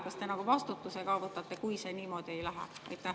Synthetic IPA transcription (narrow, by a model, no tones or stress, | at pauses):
kɑst̪enɑkuvɑst̪ut̪ːusekɑːvɤt̪ːɑt̪ːe̞kujse̞ːniːmo̞ːd̪̥ie̞jlæɦæ̰ɑ̰jt̪ːˑæ